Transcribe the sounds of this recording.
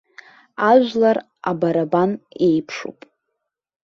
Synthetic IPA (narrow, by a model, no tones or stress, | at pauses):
aʒʷᶣlar | a̰baɾabanejpʰʂṵpʼ